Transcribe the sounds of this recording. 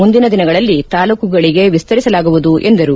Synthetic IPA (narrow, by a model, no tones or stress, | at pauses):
mund̪inɐd̪inɐɡɐɭɐlːit̪aːluːkuɡɐɭiɡe̞ʋist̪ɐɾisɐlaːɡuʋud̪uʔe̞nd̪ɐɾu